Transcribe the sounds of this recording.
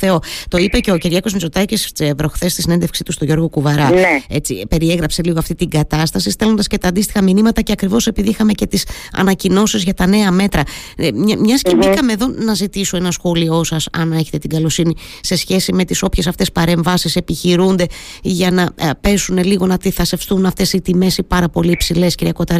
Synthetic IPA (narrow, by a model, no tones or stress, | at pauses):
θeo̞t̪o̞ipeceo̞ciɾʝɐko̞zmit͡so̞t̪ɐcisvɾo̞xθe̞st̪isinend̪efksit̪ust̪o̞ʝo̞ɾɣo̞kuvɐɾɐe̞t͡sḭpe̞ɾie̞ɣɾɐpse̞liɣoɐft̪it̪iɡɐt̪ɐst̪ɐsist̪e̞lond̪ɐscet̪ɐːnd̪ist̪ixɐminimɐt̪ɐceɐkɾivo̞se̞piðiixɐme̞ce̞t̪isɐ̰nɐcino̞sizʝɐt̪ɐne̞ɐme̞t̪ɾɐ | mɲɐscebikɐmeðo̞nɐzit̪iso̞enɐsxo̞lio̞sɐsɐ̰ne̞çe̞t̪e̞t̪iɡɐlo̞sini | se̞sçe̞sime̞t̪iso̞pçe̞sɐft̪e̞spɐɾe̞ɱvɐsise̞piçiɾund̪e̞ʝɐnɐpe̞sune̞liɣo̞nɐt̪iθɐsefst̪unɐft̪e̞sit̪ime̞sipɐɾɐpo̞liːpsile̞sciɾiɐko̞t̪ɐɾ